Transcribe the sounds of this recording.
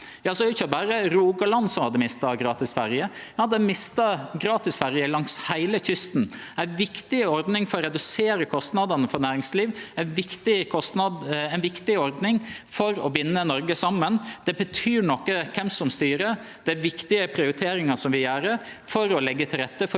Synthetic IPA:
jɑːsɔɛɾʊçəbæːɾəɾuːɡɑlɑnsɔmhɑd̪ːəmɪst̪ɑɡɾɑːt̪ɪsfæɾjə | jɑd̪ɛmɪst̪ɑɡɾɑːt̪ɪsfæɾjəlɑŋshæɪləçʏst̪n̩ | æʋɪkt̪ɪɔɾd̪nɪŋfɔɾɔɾɛd̪ʉseːɾəkʰɔst̪nɑd̪ɑnəfɔɾnæːɾɪŋsliːʋæɪnʋɪkt̪ɪkʰɔst̪nɑd̪æɪnʋɪkt̪ɪɔɾd̪nɪŋfɔɾɔbɪnːənɔɾɡəsɑmːənd̪̥ɛbət̪ʰyːɳɔkːəkʰɛmsɔmst̪yːɾə | d̪̥æʋɪkt̪ɪəpʰɾɪʊɾɪt̪ʰeːɾɪŋɑsɔmʋɪjæːɾəfɔɾɔlɛɡːət̪ʰɪlɾɛt̪ːəfɔ

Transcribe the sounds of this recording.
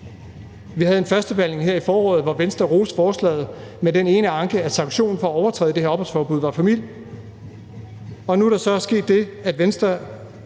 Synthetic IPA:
ʋiɦæð̞̩ˠe̝nfɶɐsd̥əb̥æl̰ne̝ŋɦeɐ̰ifɒːɒ̰ːð̩ˠʋɒʋensd̥ɐʁo̝ːsfɒːslɛ̰ːð̞̩ˠmedene̝ːnəɑ̈ŋɡ̥əæsɑ̈ŋɡɕo̝̰ːn̩fɒ̽æɒʊɐt͡sʰɛ̰ð̩ˠd̥e̝heɐɒ̽b̥ɒlsfɒːb̥uðˠʋɑ̈fæmil̰j | ɒ̽nuæɾ̥ɑ̈sɒ̽sɡ̥e̝̰ːd̥ːe̝æd̥ʋensd̥ɐ

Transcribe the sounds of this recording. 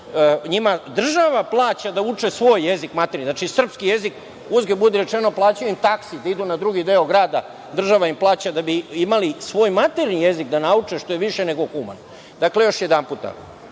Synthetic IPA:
ɲimad̪r̩ʒaʋaplˠaːt͡ɕad̪aut͡ʂesʋo̞ːjːe̞zikmat̪eɾniznat͡ʃisr̩pskije̞zik | uzɡebud̪eɾe̞t͡ʃeno̞plˠaːt͡ɕajuimt̪aksid̪aid̪unad̪ɾuɡid̪eoɡɾaːd̪a | d̪r̩ʒaʋaimplˠaːt͡ɕad̪abiimalisʋo̞ːjmat̪eɾnijezikd̪anaut͡ʂeʃt̪o̞jeʋiʃene̞ɡo̞xuma̰n | d̪akle̞jo̞ʃje̞d̪anput̪a̰

